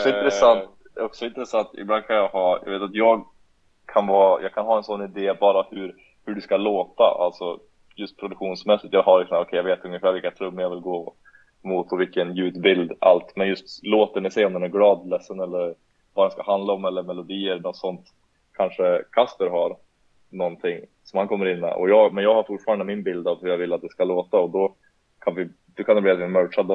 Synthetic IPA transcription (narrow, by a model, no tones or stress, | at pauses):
ɔkssɔɪnt̪ɾɛsant̪ | ɔksɔɪnt̪ɾɛsant̪ɪ̰bland̪kʰanjɑhɑːjɑ̰ɡveːt̪at̪jɑːɡ | kʰanvɑːjʔɑ̰ɡkʰanɦɑːɛnsɔnːɪd̪eːbɑːɾahʉɾ | hɵɖʉskaloːt̪a̰ʔa̰lt̪sɔ | jɵst̪̚pʰɾʊd̪ɵkɧuːnsmɛsːɪt̪jɑɦaɾlɪksɔmːɔkʰɛɪjaveːt̪ɵŋjəfæːɾvɪlkːat̪ʰɾɵmːəɾjavɪlɡoː | muːt̪ɔvɪkːənjʉ̟ːt̪bɪld̪a̰lt̪mɛnjɵst̪loːt̪əɳɪsɛjɔmd̪ɛnæɾɡlɑːd̪lɛsːənɛlːəɾ | vɑːd̪ɛnskahand̪laɔmɛlːəɾmɛlʊd̪iːəɾnɔt̪sɔnt̪ | kʰanʂəkʰast̪əɾɦaɾ | nɔnt̪ʰɪŋ | sɔmhankʰɔmːəɾɪnːɛ̰ʔɔ̰jɑːɡmɛnjɑːɡhaɾfʊʈfɑːɾand̪əmɪnbɪld̪avhʉɾjɑːɡvɪlːat̪̚d̪ɛskaloːt̪aɔd̪ɔ | kʰanvɪ | d̪̥ɔkʰanɛbliːat̪vɪamœːʂad̪ə